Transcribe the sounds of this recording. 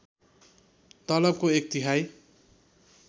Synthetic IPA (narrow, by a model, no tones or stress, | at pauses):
t̪ʌlʌb̚koek̚t̪iɦaj